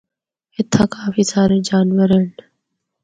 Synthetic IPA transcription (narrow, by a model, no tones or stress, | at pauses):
ɪt̪ʰːãːkaːfiːsaːɾẽːd͡ʒaːnʋəɾeːn